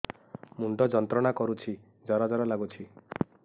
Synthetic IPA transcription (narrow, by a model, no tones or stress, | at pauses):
muɳɖɔd͡ʒɔnt̪ɾɔɽ̃akɔɾut͡ʃʰi | d͡ʒɔɾad͡ʒɔɾɔlaɡut͡ʃʰi